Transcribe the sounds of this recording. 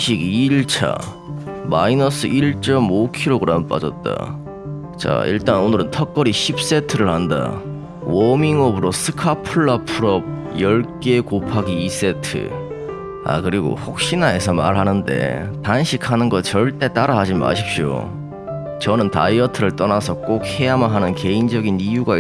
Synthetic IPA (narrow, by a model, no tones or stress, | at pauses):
ɕʰiɡiɭt͡ɕʰa̰ | mainʌsʰɯʔiɭt͡ɕ͈ʌmokʰiɾoɡɯɾamp͈a̰d͡ʑʌ̰t̚t͈a̰ | t͡ɕa̰ḭɭt͈anonɯɾɯntʰʌk̚k͈ʌɾiɕʰip̚s͈e̞tʰɯɾɯɭhanda̰ | wʌmiŋʌbɯɾosʰɯ̥kʰapʰɯɭːapʰuɾʌb̚ | jʌɭk͈e̞kopʰaɡiːs͈e̞tʰɯ̰ | a̰kɯɾiɡo̰hok̚ɕ͈inae̞sʰʌma̰ɭɦanɯnde̞̰tanɕʰikʰanɯnɡʌt͡ɕʌɭt͈e̞t͈aɾaɦad͡ʑima̰ɕʰip̚ɕo̰ | t͡ɕʌnɯnta̰iʌtʰɯɾɯɭt͈ʌnasʰʌk͈ok̚he̞amanɦanɯnke̞ind͡ʑʌɡinijuɡa